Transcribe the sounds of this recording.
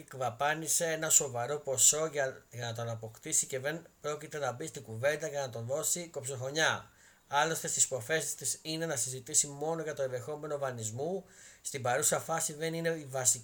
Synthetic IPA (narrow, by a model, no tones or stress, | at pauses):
kvɐpɐnise̞enɐso̞vɐɾo̞po̞so̞ʝɐnɐt̪̬o̞nɐpo̞kt̪isice̞ðenpɾo̞cit̪e̞nɐbist̪iɡuve̞nd̪ɐcenɐt̪o̞nðo̞siko̞psoxo̞ɲɐ | ɐlo̞st̪est̪ispo̞fe̞sst̪isine̞nɐsizit̪isimo̞no̞ʝɐt̪o̞enðexo̞me̞no̞vɐnizmust̪ibɐɾusɐfɐsiðe̞nine̞ivɐsi